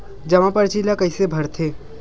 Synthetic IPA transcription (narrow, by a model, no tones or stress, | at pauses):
d͡ʒɐʋãpəɾt͡ʃiːlakəisebʱəɾt̪ʰeː